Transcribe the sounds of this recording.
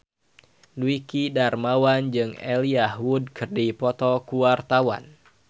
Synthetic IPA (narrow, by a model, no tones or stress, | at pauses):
luikidarmawand͡ʒɨŋɛ̰liahwud̚kɨrdipɔt̪ɔkuwart̪awa̰n